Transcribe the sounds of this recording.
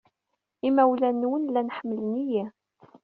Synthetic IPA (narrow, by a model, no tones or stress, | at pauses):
imæwlænːwənlænħəmːələnijæ